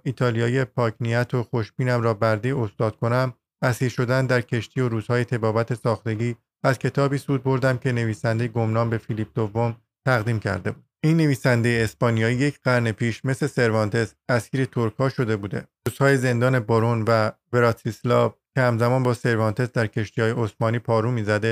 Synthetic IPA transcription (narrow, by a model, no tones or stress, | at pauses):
iːt̪ʰɒːlijɒːiepʰɒːcʰnijæt̪ʰoxoʃb̥iːnæmɾɒːbæɾd̪io̞st̪ɒːd̪̥̚kʰo̞næm | æsiːɾʃo̞d̪ænd̪æɾcʰe̞ʃt̪ʰiːo̞ɾuːz̥hɒːjet̪ʰe̞bɒːvæt̪ʰe̞sɒːxt̪e̞ɟiː | æzcʰe̞t̪ʰɒːbiːsuːd̪̚bo̞ɾd̪æmcʲʰe̞ne̞viːsænd̪e̞jeɡo̞mnɒːnbe̞filip̚d̪ovːo̞m | t̪ʰæɣd̪iːmcʰæ̰ɾd̪e̞buːd̪̥iːnːe̞viːsænd̪e̞jeːspɒːnijɒːiːjecʰɢ̥æɾne̞pʰiːʃme̞sle̞se̞ɾvɒːnt̪ʰe̞sæskiːɾe̞t̪ʰoɾkʰɒːʃo̞d̪e̞buːd̪e̞̰ɾuːz̥hɒːje̞ze̞nd̪ɒːne̞boɾonvæve̞ɾɒt̪ʰislɒvcʲʰehæmzæmɒːnbɒːse̞ɾvɒːnt̪ʰe̞sd̪æɾcʰe̞ʃt̪ijɒːje̞osmɒːniːpʰɒːɾuːmiːzæd̪e